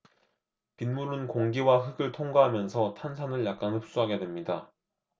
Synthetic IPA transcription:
pinmuɾunkoŋɡiwaɦɯɡɯɭtʰoŋɡaɦamjʌnsʰʌtʰansʰanɯɭjak̚k͈anhɯp̚s͈uɦaɡe̞dwe̞mɲida

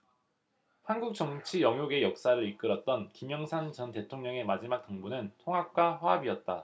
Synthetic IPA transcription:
hanɡuk̚t͡ɕ͈ʌŋt͡ɕʰijʌŋɦjoɡe̞jʌk̚s͈aɾɯɾik͈ɯɾʌt̚t͈ʌnkimjʌŋsʰant͡ɕʌnte̞tʰoŋɲʌŋe̞mad͡ʑimak̚t͈ʌŋbunɯntʰoŋɦak̚k͈waɸwaɦabiʌt̚t͈a

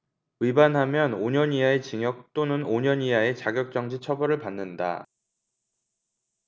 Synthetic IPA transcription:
ibanɦamjʌnoɲʌɲiae̞t͡ɕiŋjʌk̚t͈onɯnoɲʌɲiae̞t͡ɕaɡjʌk̚t͡ɕ͈ʌŋd͡ʑit͡ɕʰʌbʌɾɯɭpanːɯnda̰

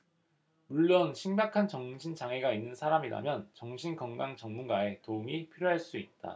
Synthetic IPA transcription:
muɭːonɕʰiŋɡakʰant͡ɕʌŋɕʰint͡ɕaŋe̞ɡainːɯnsʰaɾamiɾa̰mjʌnt͡ɕʌŋɕʰinkʌŋɡaŋt͡ɕʌŋmunɡae̞toumipʰiɾjoɦaɭs͈uit̚t͈a̰

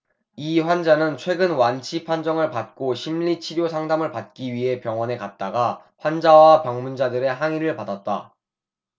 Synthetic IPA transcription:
iɸwand͡ʑanɯnt͡ɕʰwe̞ɡɯnwant͡ɕʰipʰand͡ʑʌŋɯɭpat̚k͈oɕʰimʎit͡ɕʰiɾjosʰaŋdamɯɭpat̚k͈iɥiɦe̞pjʌŋwʌne̞kat̚t͈aɡa | ɸwand͡ʑawapjʌŋmund͡ʑadɯɾe̞ɦaŋiɾɯɭpadat̚t͈a̰

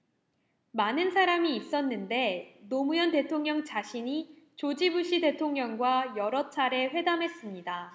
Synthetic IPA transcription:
manɯnsʰaɾamiːps͈ʌnːɯnde̞nomujʌnte̞tʰoŋɲʌŋt͡ɕaɕʰiɲi | t͡ɕod͡ʑibuɕ͈ide̞tʰoŋɲʌŋɡwajʌɾʌt͡ɕʰaɾe̞ɸwe̞damɦe̞s͈ɯmɲida

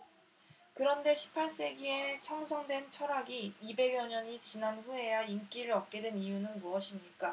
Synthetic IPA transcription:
kɯɾʌnde̞ɕʰi̥pʰaɭs͈e̞ɡie̞pʰjʌŋsʰʌŋdwe̞nt͡ɕʰʌɾaɡiːbe̞ɡjʌɲʌɲit͡ɕinanɸue̞jaink͈iɾɯɭʌp̚k͈e̞dwe̞nijunɯnmuʌɕʰimɲik͈a

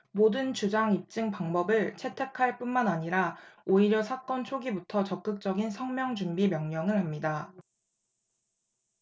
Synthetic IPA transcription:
modɯnt͡ɕud͡ʑaŋip̚t͡ɕ͈ɯŋpaŋbʌbɯɭt͡ɕʰe̞tʰe̞kʰaɭp͈unmanaɲiɾaoiɾjʌsʰak͈ʌnt͡ɕʰoɡibutʰʌt͡ɕʌp̚k͈ɯk̚t͡ɕ͈ʌɡinsʰʌŋmjʌŋd͡ʑumbimjʌŋɲʌŋɯɭɦamɲida

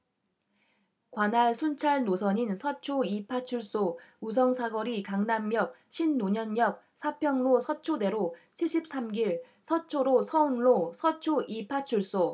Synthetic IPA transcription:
kwanaɭsʰunt͡ɕʰaɭnosʰʌɲinsʰʌt͡ɕʰoipʰat͡ɕʰuɭs͈ous̬ʰʌŋsʰaɡʌɾikaŋnamːjʌk̚ɕʰinːoɲʌnɲʌk̚ | sʰapʰjʌŋlosʰʌt͡ɕʰode̞ɾot͡ɕʰiɭɕʰip̚s͈amɡiɭ | sʰʌt͡ɕʰoɾosʰʌunɭosʰʌt͡ɕʰoʔipʰat͡ɕʰuɭs͈o

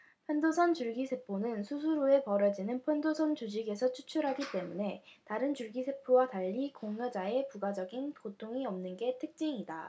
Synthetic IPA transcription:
pʰwendosʰʌnt͡ɕuɭɡisʰe̞pʰonɯnsʰus̬ʰuɾoe̞pʌɾʌd͡ʑinɯnpʰwendosʰʌnt͡ɕud͡ʑiɡe̞sʰʌt͡ɕʰut͡ɕʰuɾɦaɡit͈e̞mune̞taɾɯnt͡ɕuɭɡisʰe̞pʰuwataʎːikoŋɲʌd͡ʑae̞puɡad͡ʑʌɡinkotʰoŋiʌmnɯnɡe̞tʰɯk̚t͡ɕ͈iŋida

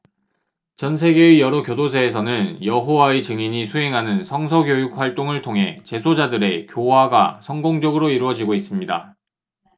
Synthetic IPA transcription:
t͡ɕʌnsʰe̞ɡe̞ijʌɾokjodosʰeːsʰʌnɯnjʌɦowaet͡ɕɯŋiɲisʰuɦe̞ŋɦanɯnsʰʌŋsʰʌɡjojuk̚ɸwaɭt͈oŋɯɭtʰoŋɦe̞t͡ɕe̞sʰod͡ʑadɯɾe̞kjowaɡa̰sʰʌŋɡoŋd͡ʑʌɡɯɾoiɾuwʌd͡ʑiɡois͈ɯmɲida̰

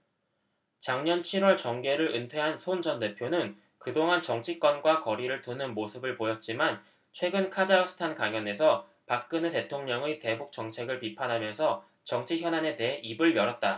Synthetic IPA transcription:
t͡ɕaŋɲʌnt͡ɕʰiɾwʌɭt͡ɕʌŋɡe̞ɾɯɾʔɯntʰwe̞ɦansʰond͡ʑʌnde̞pʰjonɯn | kɯdoŋɦant͡ɕʌŋt͡ɕʰik͈wʌnɡwakʌɾiɾɯɭtunɯnmosʰɯbɯɭpojʌt̚t͡ɕ͈iman | t͡ɕʰwe̞ɡɯnkʰad͡ʑaʌsʰɯ̥tʰankaŋjʌne̞s̬ʰʌ | pak̚k͈ɯnete̞tʰoŋɲʌŋete̞buk̚t͡ɕʌŋt͡ɕʰe̞ɡɯɭpipʰanɦamjʌnsʰʌ | t͡ɕʌŋt͡ɕʰiçjʌnane̞te̞ɦeʔibɯɭjʌɾʌt̚t͈a

